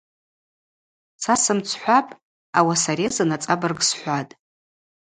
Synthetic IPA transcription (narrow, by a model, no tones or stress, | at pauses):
sasɨmt͡sʰħʷapʼ | awasaɾezɨnat͡sʼabɨrɡsħʷatʼ